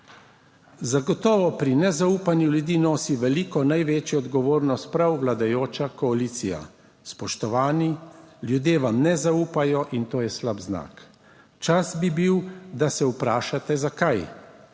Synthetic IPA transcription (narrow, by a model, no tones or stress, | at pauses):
zaɡɔt̪ɔːʋɔpɾinɛzauːpanjuljud̪iːnɔːsiʋɛliːkɔnajʋeːt͡ʃjɔɔd̪ɡɔʋoːɾnɔst̪pɾawʋlad̪ajoːt͡ʃakɔaliːt̪sija̰ | spɔʃt̪ɔʋaːnilʲjud̪jeːʋamnɛzauːpajɔʔint̪oːjɛslabzna̰ːk | t͡ʃasbibiwd̪asɛupɾaːʃat̪ɛzakaj